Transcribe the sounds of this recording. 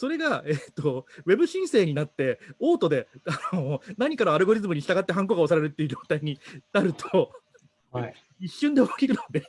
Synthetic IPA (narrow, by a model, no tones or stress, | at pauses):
so̞ɾe̞ɡaet̪ːo̞βe̞bɯ̟ɕĩɰ̃se̞ːɲ̟inat̪ːe̞o̞ːt̪o̞d̪e̞anonaɲ̟ikano̞aɾɯ̟ɡo̞ɾʲizɨmɯ̟ɲ̟iɕi̥t̪aɡat̪ːe̞ɦãŋk̬o̞ɡaosaɾeɾɯ̟t̪ːe̞iɯ̟d͡ʑo̞ːt̪aiɲ̟inaɾɯ̟t̪ʰo | iɕːɨ̃nd̪e̞okːkʲiɾɯ̟nod̪e